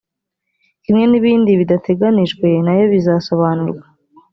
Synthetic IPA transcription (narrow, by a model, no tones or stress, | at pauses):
imŋe̞niβiːndiβidatʰe̞ɡaniʒɡwe̞najo̞βizaso̞βanuɾɡwa